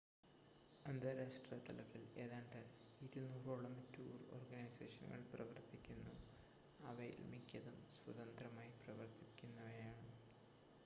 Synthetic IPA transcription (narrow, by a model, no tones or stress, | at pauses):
ɐnd̪ɐɾaːʂʈrɐt̪ɐlɐt̪ːile̞ːðaːɳɖɐ | iɾunuːroːɭɐmɐtːuːro̰rɡɐnɐjsḛːʂɐnɡɐ̰ɭprɐʋɐrt̪ikʲːunːṵ | ɐʋɐj̰lmikʲːɐðumswɐðɐnd̪rɐmaːjiprɐʋɐrt̪ikʲːunːɐʋɐjaːɳɨ